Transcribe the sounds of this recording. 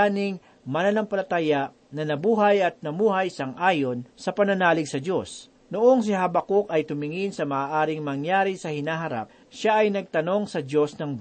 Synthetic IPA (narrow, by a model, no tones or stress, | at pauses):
anɪŋ | mɐnɐnɐmpɐlɐt̪ajaʔ | nɐnɐbuːɦɐjɐt̪̚nɐmuːɦɐjsɐŋʔaːjonsɐpɐnɐnaːlɪɡsɐd͡ʒo̞s | nʊʔo̞ŋs̬ɪɦabɐkokɐjt̪ʊmɪŋɪnsɐmɐʔaːʔaːɾɪŋmɐŋjaːɾɪsɐhɪnaːɦɐɾa̰p̚ | ʃaʔɐjnɐɡ̚t̪ɐno̞ŋsɐd͡ʒo̞snɐŋb